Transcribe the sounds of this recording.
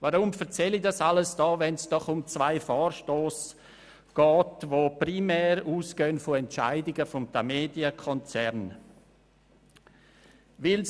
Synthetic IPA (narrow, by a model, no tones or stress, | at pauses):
vaɾʊmfɛɐt͡sɛlidasaləsd̥ɑːvɛnsd̥ɔχʊmt͡svaɪfɔːrʃtoːs | ɡ̥ɑːtvoːprimɛːɾuːsɡ̥øːnfoɛntt͡ʃa̰ɪdɪɡəfɔmdameːdiəkʰɔnt͡sɛɾn | vɪl